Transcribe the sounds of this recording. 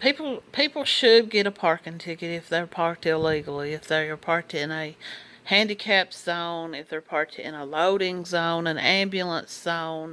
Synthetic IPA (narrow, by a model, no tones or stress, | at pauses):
pʰipl̩ˠpʰipl̩ˠʃɨd̚ɡɛɾəpʰɑɹkɨ̃ntʰɪkɨɾɪfðə˞pʰɑɹk̚tɪliɡl̩ˠiɨfðə˞pʰɑɹk̚tɪ̃nɨ | hæ̃ndɨkʰæpz̥õʊ̃nɨfðə˞pʰɑɹk̚tɪ̰̃nəloʊɾɪ̃ŋzõʊ̃nɨ̃næ̃mbjɨl̩ˠə̃nsz̥õʊ̃n